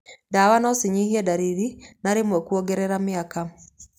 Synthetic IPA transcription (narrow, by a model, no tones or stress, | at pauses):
daːwanɔsiɲihiɛdaɾiðinaɾemwɛkuoɡɛɾɛɾameaka